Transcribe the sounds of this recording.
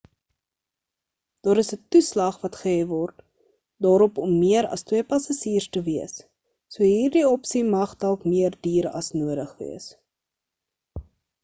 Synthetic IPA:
d̥ɑːɾəsətuslɐχvɐtχəɛvɔrt | dɑːɾɔpɔmːiəɾɐ̰stwiəpɐsɐχiːrstəviəsː | uəɦiːrdiɔpsimɐχdɐlˠkmiərdiːɾɐ̰snuədəχvḭəs

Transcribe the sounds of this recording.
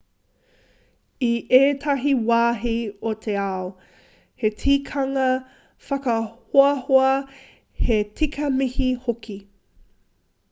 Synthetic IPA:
iʔeːtʰɐɦiwaːɦiotʰeao | hetʰiːkʰɐŋɐ | fɐkɐhoɐhoɐ | hetʰikʰɐmihihokʰi

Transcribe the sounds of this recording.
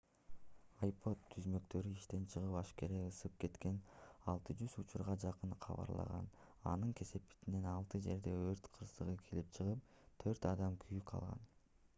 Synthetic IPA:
ɐjpʰo̞t̪ʰːyzmø̞kt̪ø̞ɾyiʃt̪e̞nt͡ʃʰɯʁɯpɑʃke̞ɾeɯsɯp̚ke̞t̪ke̞nɑlˠt̪ɯd͡ʒyzut͡ʃuɾʁɑd͡ʒɑqɯnqʰɑ̰βɑ̰ɾlˠɑ̰ʁɑ̰n | ɑ̰nɯŋkʰe̞se̞pi̥t̪ine̞nɑlˠt̪ɯd͡ʒe̞ɾd̪e̞øɾt̪qʰɯɾsɯʁɯkʰelip̚t͡ʃʰɯʁɯp̚ | t̪ʰø̞ɾt̪ɑd̪ɑmkʰyjyqʰɑ̰lˠʁɑ̰n

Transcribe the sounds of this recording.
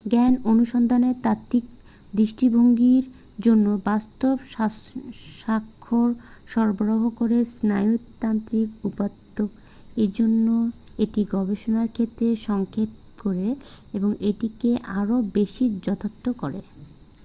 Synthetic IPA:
ɡɛnonuʃɔnd̪ʱanet̪at̪ːik̚ | d̪ɾiʃʈibʱoŋɡiɾ | d͡ʑonːobast̪obʃaʃakʰːoɾʃɔɾboɾoɦokoɾesnajut̪ːant̪ɾikupad̪ːok | eɾd͡ʑonːoeʈiɡɔbeʃonaɾkʰet̪ːɾeʃɔŋkʰet̪ | koɾe | eboŋeʈikeʔaɾobeʃid͡ʑɔt̪ʰot̪ːokoɾḛ

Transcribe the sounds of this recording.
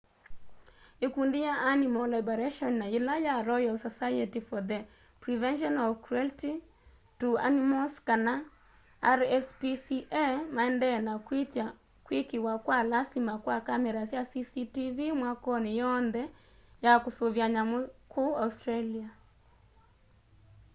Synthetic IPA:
ekundijaʔːnimɔlabɔɾɛʃɔnːailajaɾɔjɔlsɔsajɛtifɔðɛ | pɾivɛnʃ̬ɔnɔvkɾuɛlti | tua̰nimɔskana | aɾɛspisiʔɛmaɛndɛnakwit͡ʃa | kwikiwakwalasimakwakamɛɾasjasisitivimwakɔnejɔnðɛ | jakosoβjaɲamokʰoaustɾalia

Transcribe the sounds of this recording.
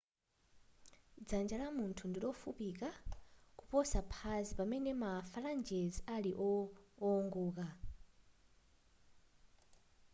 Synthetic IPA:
d͡zand͡ʒalamuntʰundilɔfupikakupɔsapʰazipamɛnɛmafaland͡ʒɛzialiʔɔː | ŋɡuːk̬a

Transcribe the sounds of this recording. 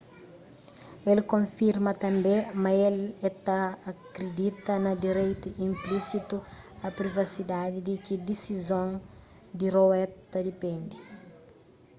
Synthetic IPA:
elkõfiɾmɐt̪ɐ̃mbẽmɐelɛt̪aɐkɾed̪it̪ɐnɐd̪iɾejt̪uĩmplisit̪u | ɐpɾivɐsid̪ad̪id̪ikid̪isizõn | d̪irowɛt̪ɐd̪ipẽnd̪i

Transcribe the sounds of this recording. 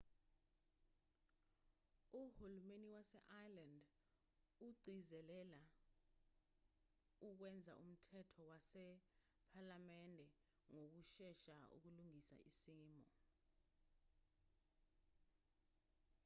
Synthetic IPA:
uhulumeniwasɛ̰ʔajland | uǀʱizɛlɛla | uk̬wɛnd͡zʱa̰ʔṵm̩tʰɛtʰɔwasɛ | pʰalamɛndʱɛ | ŋok̬uʃɛʃaṵk̬uluŋisa̰isimɔ̰

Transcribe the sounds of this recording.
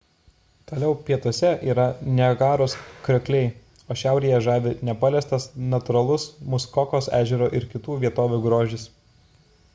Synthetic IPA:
t̪oːlʲɛʊpʲiɛt̪oɔsʲɛʔiːɾɐnʲɛɡɑːɾoːskɾʲɛkʲlʲɛɪ | oːʃʲæˑʊɾʲijɛʒɑːʋʲɪnʲɛpɑlʲɛst̪ɐsnɐt̪ʊɾɐlˠʊsmʊskɔkoːsæːʒʲɛɾoːʔɪɾkʲɪt̪uːʋʲiɛt̪oːʋʲuːɡɾoːʒʲɪs

